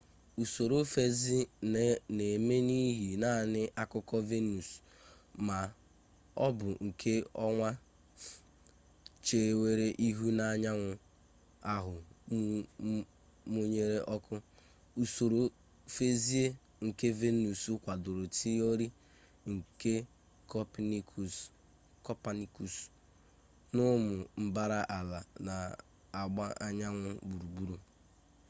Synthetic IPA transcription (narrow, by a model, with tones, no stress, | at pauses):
u˨so˨ɾo˦fe˦zi˦ | ne˨me˦ni˦ɦi˨na˦˨nɪ˦ʔa˦kʊ˦kɔ˦ve˦nu˨s | ma˨ | ɔ̰˦bʊ˨ŋ̩˨kʰe˦ɔ˦ŋʷa˦ | t͡ʃe˨we˦ɾe˦ʔi˦ɦu˦na˨ɲa˦ŋʷʊ˨ | a˨ɦʊ˨˦ | mo˦ɲe˦ɾe˦ʔɔ˦kʰʊ˦ | u˨so˨ɾo˨ | fe˦zi˦e˦ | ŋ̩˨ke˦ve˦nu˨su˦kʷa˨dʊ˨ɾʊ˨ti˦o˦ɾi˦ | ŋ̩˨ke˦ | kɔ˦pni˦kʰu˨s | kɔ˦pa˦ni˦ku˨s | nʊ˦mʊ˨m̩˦ba˦ɾa˦ʔa˨la˨na˨ | a˨ɡ͡ba˦ʔa˦ɲa˦ŋʷʊ˦bu˨ɾu˨ɡ͡bu˦ɾu˦